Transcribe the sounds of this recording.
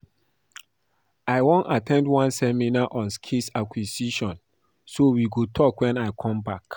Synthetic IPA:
aɪwõnatʰɛ̃ndwãnsɛminaʔɔ̃nskʰisakwisiʃɔ̃n | sowiɡotʰɔkwɛ̃naɪkʰɔ̃mbak

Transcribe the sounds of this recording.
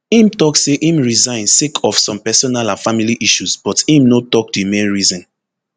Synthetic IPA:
ĩmtɔkseʔĩmɹizãɪ̃nsekʰɔfsɔ̃mpɛsɔnalãnfamiliʔiʃusb̥ɔtĩmnotɔk̚dimẽnɹizɔ̃n

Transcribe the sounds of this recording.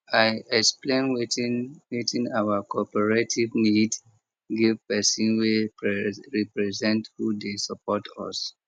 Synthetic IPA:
aɪɛksplẽnwwitĩnawəkʰɔpɛɹetʰivnid | ɡivpɛsĩnwe | ɹipɹɛzɛ̃nthudesɔpʰɔtʰɔ̰s

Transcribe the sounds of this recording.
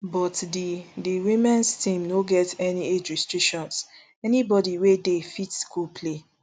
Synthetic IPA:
bɔtdidiwimɛ̃nstĩmnoɡɛtɛnied͡ʒɹistɹikʃɔ̃ns | ɛnibɔdiwedefitskulpʰle

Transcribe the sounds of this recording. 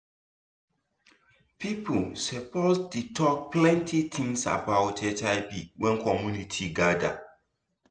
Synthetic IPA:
pipulsəpɔsdutʰɔk̚plɛ̃ntʰit̪ʰĩŋsa̰bawtʰɛtaɪpiwɛ̃nkʰɔmjunitʰiɡada̰

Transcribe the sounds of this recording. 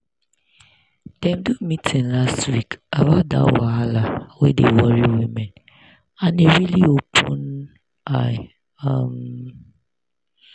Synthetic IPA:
d̥ɛ̃mdumitʰĩnlastwikawada̰waalawedewɔɹiwimɛ̃n | ãneɹiliopʰũn | aɪ | ʌm

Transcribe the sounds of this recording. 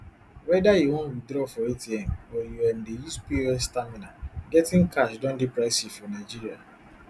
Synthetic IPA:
wɛdajiwɔ̃nwidɾɔfɔetiɛmɔjuɛ̃ndejuspiɛstamĩnaɡɛtĩŋkʰaʃdɔ̃ndipɹaɪsifɔnaɪd͡ʒiɾia

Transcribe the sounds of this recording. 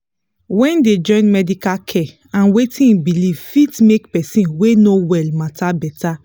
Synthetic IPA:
wɛ̃nded͡ʒɔ̃ɪ̃nmɛdikakʰɛ | ãnwetĩnbilivfitmekpɛsĩnwenowɛlmatʰabɛtʰa

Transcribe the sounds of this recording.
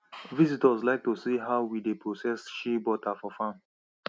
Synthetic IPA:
vizitɔzlaɪk̚tusiɦaʊwidepʰɹosɛsʃibɔtʰafɔfãn

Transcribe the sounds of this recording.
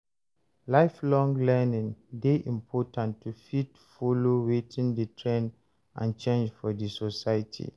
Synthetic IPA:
laɪflɔ̃ŋlɛnĩŋdeʔĩmpʰɔtãntʰːufit | fɔlowetʰĩndətʰɹɛ̃n | ʔã̰nt͡ʃẽnd͡ʒfɔdisosaɪtʰḭ

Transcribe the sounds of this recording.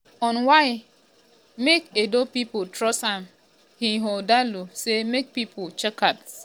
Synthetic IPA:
ɔ̃nwaɪ | mekedopipotɾɔsãm | hiɦodalusemek̚pipʰot͡ʃɛkat

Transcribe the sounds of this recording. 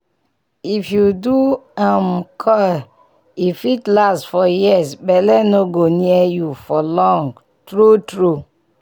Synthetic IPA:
ifjuduãmkʰɔ | ifitlastfɔjisbɛlɛnoɡoniɛjufɔlɔ̃ŋɡ | tɹutɹu

